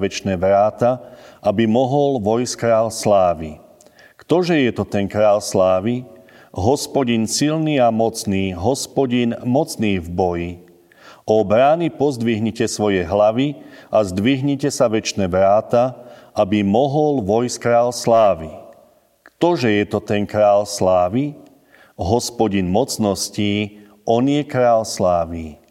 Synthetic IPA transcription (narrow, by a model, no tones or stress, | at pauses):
ʋɛt͡ʃnɛːʋɾaːt̪aʔabimɔɦɔlʋɔjskɾaːlslaːʋi | kt̪ɔʒɛjɛt̪ɔt̪ɛnkɾaːlslaːʋi | ɦɔspɔɟinsilniːamɔt͡sniːɦɔspɔɟinmɔt͡sniːvbɔji | ʔɔbɾaːnipɔzd̪ʋiɦɲicɛsʋɔjɛɦlaʋiazd̪ʋiɦɲicɛsaʋɛt͡ʃnɛʋɾaːt̪a | abimɔɦɔlʋɔjskɾaːlslaːʋi | t̪ɔʒɛjɛt̪ɔt̪ɛnkɾaːlslaːʋi | ɦɔspɔɟinmɔt͡snɔsciː | ɔnɪjɛkɾaːlslaːʋi